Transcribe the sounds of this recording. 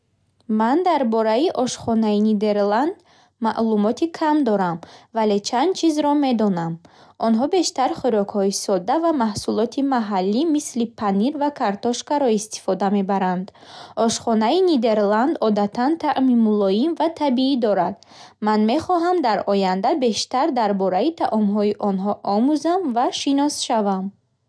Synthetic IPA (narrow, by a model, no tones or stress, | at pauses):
mand̪aɾbɔɾaiʔɔʃχɔnainid̪e̞ɾland̪ | maʔlumɔt̪ʰikʰamd̪ɔɾamvale̞t͡ʃʰand̪̥̚t͡ʃʰizɾɔme̞d̪ɔnamʔɔnɦɔbe̞ʃt̪aɾχiɾɔkhɔisɔd̪avamahsulɔt̪ʰimaɦalːimislipʰaniɾvakʰaɾt̪ɔʃkaɾɔist̪i̥fɔd̪ame̞baɾand̪ʔɔʃχɔnainid̪e̞ɾland̪ɔd̪at̪ʰant̪ʰaʔmimulɔjinvat̪ʰabiid̪ɔɾad̪ | manme̞χɔɦamd̪aɾɔjand̪abe̞ʃt̪aɾd̪aɾbɔɾait̪ʰaʔɔmɦɔiʔɔnɦɔʔɔmuzamvaʃinɔsʃavam